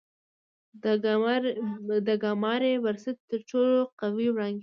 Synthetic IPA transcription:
d̪əɡɑmɑɾewaɾsat̪ːəɾʈ͡ʂoloqawiwɽɑŋɡ

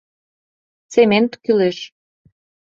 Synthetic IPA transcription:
t͡sement̪kyleʃ

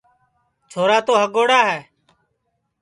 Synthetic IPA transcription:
t͡ʃʰoːɾaːt̪oːɦəɡoːɽaːɦɛː

